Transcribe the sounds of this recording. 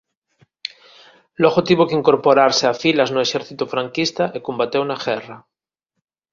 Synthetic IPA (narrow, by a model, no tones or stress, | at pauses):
loɣot̪iβokeiŋkoɾpoɾaɾseafilaznoeʃɛɾθit̪ufɾaŋkist̪aʔekombat̪ewnaɣɛra